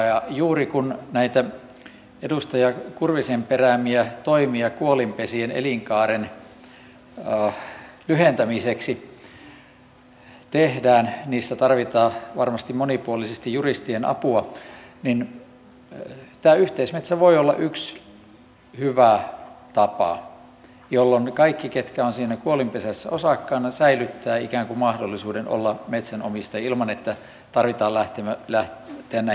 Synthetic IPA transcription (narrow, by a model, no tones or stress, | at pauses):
jɑjuːrikunnæit̪æ | edust̪ɑjɑkurʋisemperæmiæt̪oimiɑkuolimpesienḛliŋkɑːren | lyhent̪æmiseksi | t̪ehdæːnniːsːæt̪ɑrʋit̪ɑːʋɑrmɑst̪imonipuolisest̪ijjurist̪ienɑ̰puɑnin | t̪æːyht̪eismet̪sæʋoiolːɑ̰ʔyks | hyʋæt̪ɑpɑ̰ | jolːonkɑikːiket̪kæonsiːnækuolimpesæsːæ̰osɑkːɑːnːɑsæilyt̪ːæːikæːŋkumɑhdolːisuːdeno̰lːɑmet̪sænomist̪ɑɑilmɑnet̪ːæ | t̪ɑrʋit̪ɑːlæht̪emælæht̪eænːæ